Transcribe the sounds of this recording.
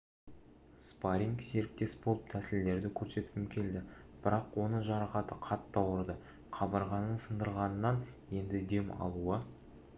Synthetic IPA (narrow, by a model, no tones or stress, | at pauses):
spaɾʲiŋkse̞ɾɪk̚t̪e̞sbo̞lˠəp̚t̪ʰæsɪld̪e̞ɾd̪ɪkʲʰɵɾse̞t̪ɪ̥pɪmkʲʰe̞ld̪ɪb̥ɪɾɑqwo̞nəʒɑɾɑqɑt̪əqʰɑt̪ːɑwəɾd̪ə | qʰɑbɑɾʁɑnəɴsənd̪əɾʁɑnənːɑnje̞nd̪ɪd̪e̞mɑ̰lˠuə